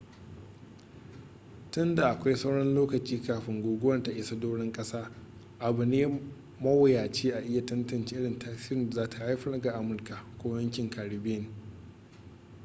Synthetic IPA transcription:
tʊ˦nda˨ʔa˨kʷa˦jsa˦wɽɐ˦nloː˦kɐ˨t͡ʃiː˦kaː˨ɸɪ˦ŋɡʷoː˨ɡʷʊ˦wɐ˦˨nta˨ʔɪ˦sɐ˦doː˦ɽɪ˦ŋkʼɐ˦saː˦ | ʔa˨bʊ˨neː˦ | mɐ˦wɐ˨jaː˨t͡ʃeː˦ʔa˨ʔɪ˦ja˨tɐ˦ntɐ˨nt͡ʃe˦ʔɪ˦ɽɪ˨ntʰaː˦siː˦ɾɪ˨n˨zaː˦ta˨ha˦jɸɐ˦ɾɡa˨ʔa˦mʊ˨rka˨kʷoː˦jɐ˦ŋkʲɪ˨ŋkʰa˨ɽi˨beː˦˨n

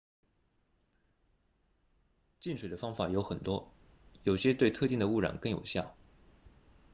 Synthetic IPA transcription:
t͡ɕi˥˩nʂʰwɛ˨˩d̪ə˦fɑ˥ŋfa˨˩jo˧˥xə˨˩nt̪wɔ˥ | jo˨˩ʊɕjɛ˥t̪we˥˧ɪt̪ʰɤ˥˧i˥˩ŋd̪ə˩u˥˩ɻa̰˨˩nkɤ˥˩ŋjo˨˩ʊɕjɑ˥˩ʊ

